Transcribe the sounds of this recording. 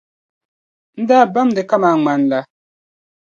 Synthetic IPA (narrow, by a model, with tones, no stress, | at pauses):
n̩˦daː˦ba˦m˨dɨ˨ka˦maː˨˦˨ŋ͡ma˨nla˦